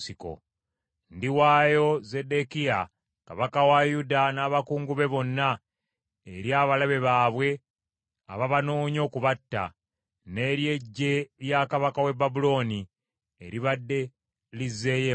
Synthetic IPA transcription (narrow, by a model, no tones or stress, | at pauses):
siko̞̰ | ndiwaːjo̞ze̞dekija | kaβakawajudanaːβakuːŋɡuβe̞βo̞nːa | eɾjaːβalaβe̞βaːβwe̞ | a̰βaβanoːɲo̞ːkuβatːa̰ | ne̞ɾje̞ɟːe̞jakaβakawe̞babulo̞ːni | eɾiβadːe̞ | lize̞je